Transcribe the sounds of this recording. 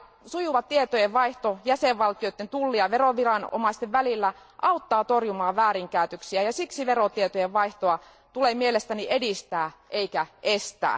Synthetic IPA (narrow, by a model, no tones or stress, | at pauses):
sujuʋɑt̪tiet̪ojeʋʋɑiht̪ojæseʋʋɑlt̪iot̪ːent̪ulːiɑʋeroʋirɑno̰mɑist̪eʋʋælilːæ | ʔɑut̪ːɑːt̪orjumɑːʋʋæːriŋkæˑyt̪øksiæjɑsiksiʋerot̪iet̪ojeʋʋɑiht̪oɑ | t̪ulemielest̪æniʔedist̪æːʔeikæʔest̪æ̰ː